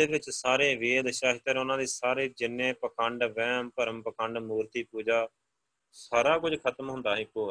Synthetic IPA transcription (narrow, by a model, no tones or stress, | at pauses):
eːʋɪt͡ʃsaːɾeːʋeːd̪ʃaːɦɪt̪ːəɾʊnãːd̪iːsaːɾeːd͡ʒɪnːẽːpəkʰəɳɖʋɛ̃ːmpəɾəmpəkəɳɖmuːɾt̪iːpuːd͡ʒaː | saːɾaːkʊd͡ʒkʰət̪əmɦʊ̃nd̪aːɦiːkoː